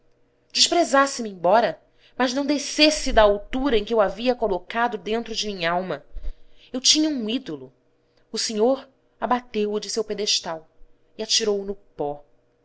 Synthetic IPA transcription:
d͡ʒɪʃpɾezasɪmɪẽbɔɾɐ | mɐʒnɐ̃w̃d̪esesɪd̪ɐawt̪uɾɐẽkɪewaviɐkolokad̪ʊd̪ẽnt̪ɾʊd͡ʒɪmĩɲɐawmɐ | ewt͡ʃĩɲɐũid̪olʊ | ʊseɲoɾ | abat̪ewʊd͡ʒɪsewped̪eʃt̪aw | iat͡ʃiɾowʊnʊpɔ

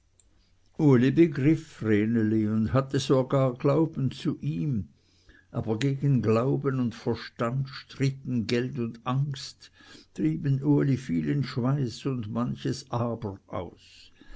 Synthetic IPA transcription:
ʔuɐlibəɡʁɪfʁeːnəliʊndɦatəzoɡaːɐɡlaʊbn̩t͡suʔiːm | ʔaːbɐɡeːɡən̩ɡlaʊbənʊntfɛɐʃtantʃtʁ̥ɪt̪n̩ɡɛltʊndʔaŋsttʁiːbənʔuɐlifiːlɪnʃvaɪsʊndmançəsʔaːbəʁʔa̰ʊs

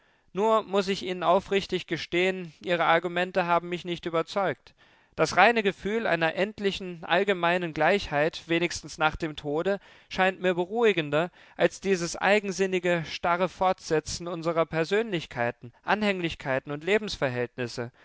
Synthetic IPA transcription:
nuːɐmʊsɪçʔiːnənaʊfʁɪçtɪçɡ̥əʃteːənʔiːʁ̞əaɐɡumɛntəɦaːbm̩mɪçnɪçtʔyːbɐt͡sɔʏk̚t | d̥asʁaɪnəɡəfyːla̰ɪnɐʔɛntlɪçn̩ʔa̰lɡəmaɪnənɡlaɪçhaɪtv̥eːnɪçstn̩snaːχd̥eːmtʰoːdə | ʃaɪntmiːɐbəʁ̞uːɪɡəndɐ | ʔalsd̥iːzəsʔa̰ɪɡŋ̩zɪnɪɡəʃtaʁəfɔɐtz̥ɛt͡sn̩ʊnzəʁɐpʰɛɐzøːnlɪçkʰaɪtn̩ʔa̰nhɛŋlɪçkʰaɪtn̩ʊntleːbm̩sfɛɐɦɛltnɪsə

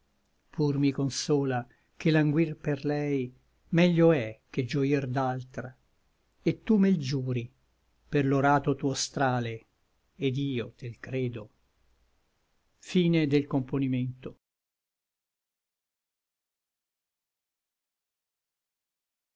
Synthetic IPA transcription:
pʰurmikonsɔːla | k̟elaŋɡwirperlɛj | mɛʎːoɛk̟ːed͡ʒoird̪alt̪ɾa | et̪ːumeld͡ʒuːɾi | perloɾaːt̪ot̪uːost̪ɾaːle | ed̪iːot̪elkɾeːd̪o | fiːned̪elkomponiment̪o

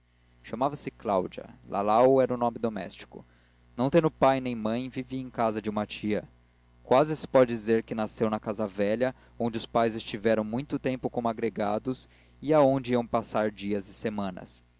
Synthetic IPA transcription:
ʃamavɐsɪklawd͡ʒiɐ̰lʔa̰lawɛɾʊnõmɪd̪omɛ̰st͡ʃi̥kʊ̰ | nɐ̃w̃t̪ẽnd̪ʊpajnẽj̃mɐ̃j̃viviẽj̃kazɐd͡ʒɪũmɐt͡ʃiɐ | kwazɪsɪ̥pɔd͡ʒɪd͡ʒizeɾkɪnasewnɐkazɐvɛʎɐ | õd͡ʒɪʊspajzɪst͡ʃivɛɾɐ̃w̃mũj̃t̪ʊt̪ẽmpʊkõmʊaɡɾeɡad̪ʊs | iaõd͡ʒɪiɐ̃w̃pasaɾd͡ʒiɐzɪsemɐ̃nɐ̰s

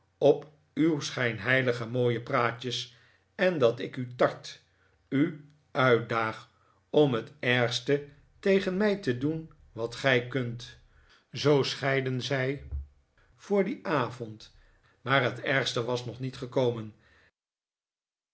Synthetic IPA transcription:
ɔp | ywsχɛjnɦɛjləχəmoːjəpraːcəs | ɛndɑtɪkytɑɹt | y | ʔœɥt̚daːχ | ɔmɦətɛɹχstə | tejχənmɛjtədun | ʋɑtχɛjkɵnt | zowsχɛjdənzɛj | fʊːɹdiʔaːvɔnt | maːɹɦətɛɹχstəʋɑsnɔχnitχəkowmən

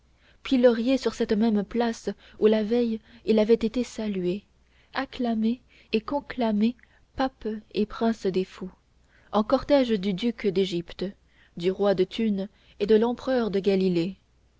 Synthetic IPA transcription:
pilɔʁjesyʁsɛt̪mɛmplas | ulavɛjilavɛt̪et̪esalɥe | aklameː | kɔ̃klame | papepχɛ̃sd̪efu | ɑ̃kɔʁt̪ɛʒd̪yd̪ykd̪eʒipt̪ | d̪yʁwad̪ət̪ʰyn | ed̪əlɑ̃pχœʁd̪əɡalile

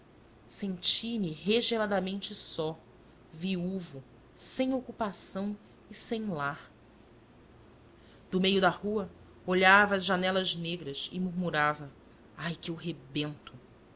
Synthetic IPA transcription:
sẽnt͡ʃimɪɦeʒelad̪ɐmẽnt͡ʃɪsɔ | viuvu | sẽj̃okupasɐ̃w̃ | ɪsẽj̃laχ | d̪̥ʊmejʊd̪ɐhuɐ | oʎavɐːzʒanɛlɐzneɡɾɐsɪ̰muɾmuɾavɐ | ajkɪʊɦebẽnt̪ʊ

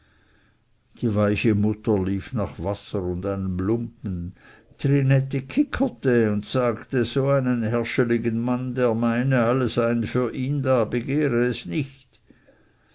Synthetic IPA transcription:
d̥iːvaɪçəmʊtəliːfnaχvasəʁʊndaɪnəmlʊmpn̩ | tʁinɛtekʰɪkʰətəʊntsaːktəzoːaɪnənhɛɐʃəlɪɡənmandeːɐmaɪnəalːəzaɪənfyːɐʔiːndaːbəɡeːɾəːsnɪçt

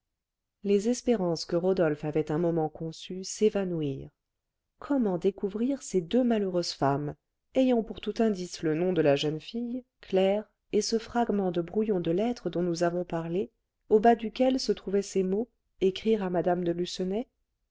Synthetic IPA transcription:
lezɛspeʁɑ̃skəʁɔd̪ɔlfavɛt̪ɛ̃mɔmɑ̃kɔ̃sysevanuiʁ | kʰɔmɑ̃d̪ekuvʁiʁsed̪ømaløʁøzfam | ɛjɑ̃puʁt̪ut̪ɛ̃d̪islənɔ̃d̪əlaʒœnfij | klɛʁ | esəfχaɡmɑ̃d̪əbʁujɔ̃d̪əlɛt̪χəd̪ɔ̃nuzavɔ̃paʁle | obad̪ykʲɛlsət̪χuvɛsemo | ekχiʁamad̪amd̪əlysənɛ

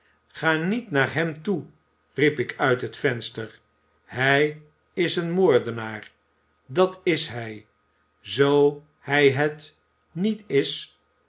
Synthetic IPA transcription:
χaːnitnaːɹɦɛmtu | ripɪkœɥtɦətfɛnstəɹ | ɦɛj | ɪsənmoːɹdənaːɹ | dɑtɪsɦɛj | zow | hɛjɦət | nitɪs

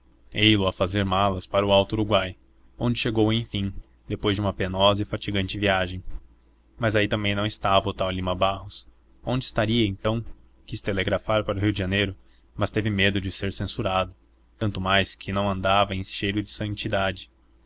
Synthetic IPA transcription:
ejlʊɐfazeɾmalɐspaɾʊawt̪ʊːɾuɡwaj | õnd͡ʒɪʃeɡowẽj̃fĩ | d̪epojzd͡ʒɪũmɐpenɔzɐɪfat͡ʃiɡɐ̃nt͡ʃɪviaʒẽj̃ | mɐzait̪ɐ̃mbẽj̃nɐ̃w̃ɪst̪avɐʊt̪awlimɐbahʊs | õnd͡ʒɪst̪aɾiɐẽnt̪ɐ̃w̃ | kist̪eleɡɾafaɾpaɾʊɦiwd͡ʒɪʒɐnejɾʊ | mɐst̪evɪmed̪ʊd͡ʒɪseɾsẽsuɾad̪ʊ | t̪ɐ̃nt̪ʊmajskʰɪnɐ̃w̃ɐ̃nd̪avɐẽj̃ʃejɾʊd͡ʒɪsɐ̃nt͡ʃid̪ad͡ʒɪ̥

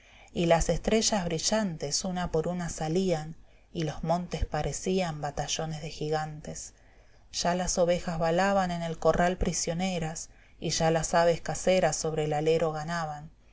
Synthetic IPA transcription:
ilase̞st̪ɾe̞ʒazβɾiʒant̪e̞sunapo̞ɾunasalian | ilo̞zmõ̞nt̪e̞spaɾʔe̞siambat̪aʒo̞nezðe̞xiɣ̞ant̪e̞s | ʒ̥alaso̞βe̞xazβalaβane̞ne̞lko̞rʔalpɾisjo̞ne̞ɾas | iʒalasaβe̞skaseɾaso̞βɾelale̞ɾo̞ɣ̞anaβan

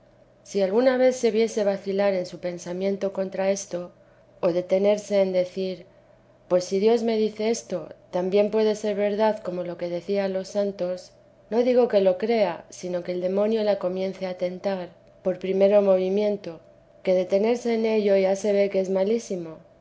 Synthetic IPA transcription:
sialɣunaβ̞e̞θse̞βje̞se̞βaθilaɾe̞nsupe̞nsamjẽ̞nt̪o̞ko̞nt̪ɾae̞st̪o̞ː | ð̞e̞t̪e̞ne̞ɾse̞ːnd̪e̞θiɾ | pwe̞sːiðjo̞zme̞ðiθe̞est̪o̞t̪ambje̞mpwe̞ðe̞se̞ɾβe̞ɾðaðko̞mo̞lo̞ke̞ð̞e̞θianlo̞sant̪o̞s | no̞ðiɣo̞ke̞lo̞kɾe̞asino̞ke̞ːld̪e̞mõ̞njo̞lako̞mje̞nθe̞at̪e̞nt̪aɾ | po̞ɾpɾime̞ɾo̞mo̞β̞imjẽ̞nt̪o̞ | ke̞ð̞e̞t̪e̞ne̞ɾse̞ːne̞ʎo̞iʝase̞β̞e̞keezmalisimo̞

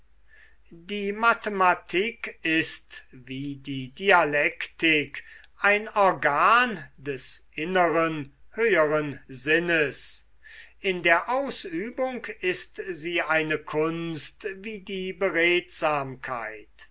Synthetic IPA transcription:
diːmatematʰikɪstviːdiːdialɛktɪk | ʔaɪnɔɐɡaːndɛsʔɪnəʁənhøːəʁənzɪnəs | ʔɪndeːɐʔaʊsyːbʊŋkɪstziːʔaɪnəkʰʊnstviːdiːbəʁeːtz̥aːmkʰa̰ɪt

